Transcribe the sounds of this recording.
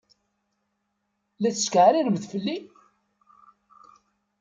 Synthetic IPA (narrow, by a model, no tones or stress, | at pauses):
læθəskʕɾiɾəbðfəlːi